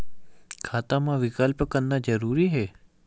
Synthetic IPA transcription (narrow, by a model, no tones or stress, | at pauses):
kʰat̪amãʋɪkalpəkənnad͡ʒəɾuɾiɦe